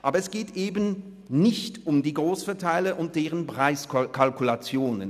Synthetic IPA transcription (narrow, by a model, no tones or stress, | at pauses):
ʔaːbɐɛsɡ̥eːtʔeːbən̩ | nɪçtʔʊmdiːɡʁoːsfɛɐtʰaɪləʔʊnt̚d̥eːʁənpʁ̥aɪskkʰalkulat͡sjoːnə̰n